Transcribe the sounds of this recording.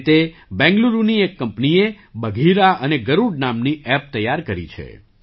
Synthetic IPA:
t̪ebɛ̃ŋɡluɾuniekːəmpnie | bəɡʱiɾaʔəneɡəɾuɖnamniɛp̚t̪əjaɾkəɾḭt͡ʃʰḛ

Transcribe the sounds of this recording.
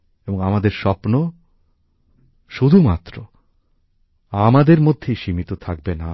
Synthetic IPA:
eboŋamad̪eɾʃɔpno | ʃud̪ʱumat̪ːɾo | amad̪eɾmod̪ʱːeʃimit̪ot̪ʰak̚bena

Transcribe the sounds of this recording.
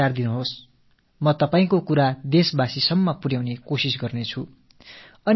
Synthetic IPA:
ard̪inuɦos | mʌt̪ʌpaĩkokuɾad̪esbasisʌmːʌpuɾjawnekosisɡʌrnet͡sʰu | ʌn

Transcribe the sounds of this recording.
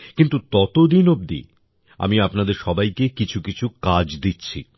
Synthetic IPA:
kint̪ut̪ɔt̪od̪inob̚d̪ḭ | a̰miapnad̪eɾʃɔbajkekit͡ɕʰukit͡ɕʰukad͡ʑd̪itːɕʰḭ

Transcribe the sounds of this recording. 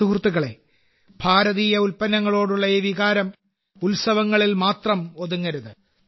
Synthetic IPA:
ukrt̪ːuɣɐɭe̞̰ | b̥ʱaːɾɐðiːjɐulpɐnːɐŋːɐɭo̞ːɽuɭːɐeːʋiɣaːɾɐm | ulsɐʋɐŋːɐɭilmaːt̪rɐmo̞ðuŋːɐɾuðɨ

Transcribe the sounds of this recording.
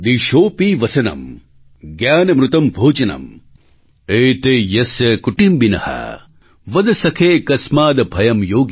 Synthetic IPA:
d̪iʃoːpiʋɐsɐnɐ̰m | ɡjaːnɐmɾut̪ɐmbʱoːd͡ʒɐnɐ̰m | eːt̪eːjɐsjɐkuʈimbinɐ̰hɐ̰ | ʋɐd̪ɐsɐkʰeːkɐsmaːd̪ɐbʱɐjɐmjoːɡ

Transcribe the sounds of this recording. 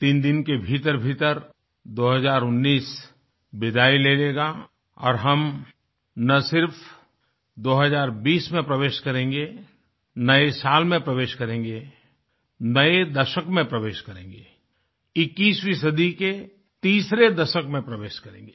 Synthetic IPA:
t̪iːnd̪ɪnkebʱiːt̪əɾbʱiːt̪əɾ | d̪oːɦəzaːɾʊnːiːs | bɪd̪aːileːleːɡa | ɔ̰ːɾɦɐm | nɐsɪɾf | d̪oːɦəzaːɾbiːsmẽpɾɐʋeːʃkɐɾẽːŋɡe | nɐesaːlmẽpɾɐʋeːʃkɐɾẽːŋɡe | nɐed̪ɐʃəkmẽpɾɐʋeːʃkɐɾẽːŋɡeː | ɪkːiːswisəd̪ʱike | t̪iːsɾed̪ɐʃəkmẽpɾɐʋeːʃkɐɾḛ̃ːŋɡeː

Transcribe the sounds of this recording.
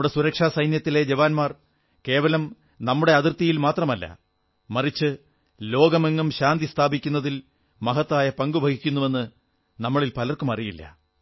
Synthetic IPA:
ɽe̞suɾɐkʂaːsɐjnjɐt̪ːile̞d͡ʑɐʋaːnmaːr | ke̞ːʋɐlɐm | nɐmːuɽe̞ɐðirt̪ijilmaːt̪rɐmɐlːɐ̰ | mɐrit͡ɕːɨ | lo̞ːɡɐmeŋːɐmɕaːnd̪ist̪ʰaːbikʲːunːɐðil | mɐɦɐt̪ːaːjɐpɐŋɡubʱɐɡʱikʲːunːuʋe̞nːɨ | nɐmːɐɭilpɐlɐrkumɐrijilːɐ̰

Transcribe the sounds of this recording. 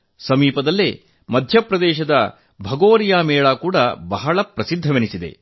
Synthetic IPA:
sɐmiːpɐd̪ɐlːe | mɐd̪ʱjɐpɾɐd̪ɛːʃɐd̪ɐ | bʱɐɡoːɾijaːmɛːɭaːkuːɽɐbɐɦɐɭɐpɾɐsid̪ʱːɐʋenisid̪e̞̰

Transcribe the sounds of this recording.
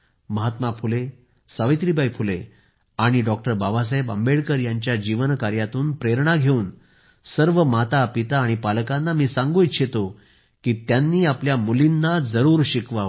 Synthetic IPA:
məɦat̪mapʰule | səʋit̪ɾibʱajpʰule | aɽ̃iɖɔk̚ʈəɾbabas̬ajbə̰mbeɽkəɾjaɲt͡ɕjad͡ʑiʋənkaɾjat̪uːnpɾeɾɳaɡʱeuːn | səɾʋəmat̪apit̪aːɽ̃ipalkãnːamiːsãŋɡuit̪ɕʰet̪o | kiːt̪janːiːapljamulinːad͡zəɾuːɾɕikʋaʋ

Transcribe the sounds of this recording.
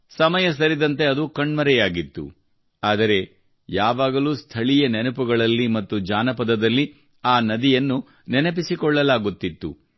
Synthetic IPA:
sɐmɐjɐs̬ɐɾid̪ɐnt̪e̞ɐd̪ukɐɳmɐɾɛjaːɡit̪ːṵ | aːd̪ɐɾe̞ | jaːʋaːɡɐluːst̪ʰɐɭijɐnenɐpuɡɐɭɐlːimɐt̪ːud͡ʒaːnɐpɐd̪ɐd̪ɐlːi | aːnɐd̪ijɐnːu | nɛnɐpisikɔɭːɐlaːɡut̪ːit̪ːu

